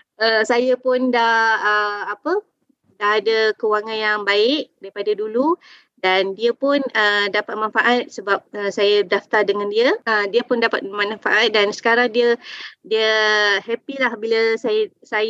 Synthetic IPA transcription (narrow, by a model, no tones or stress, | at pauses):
əsajəpʊndaəapə | daːdəkəuwaŋanjaŋbaɪʔdaɾipadadulu | dandiəpʊnədapat̪̚manfaʔat̪̚səbap̚əsajədaft̪ardəŋandiəədiəpʊndapat̪̚mənafaʔat̪̚dansə̥kaɾaŋdiədiəhɛpilahbiləsaj | saj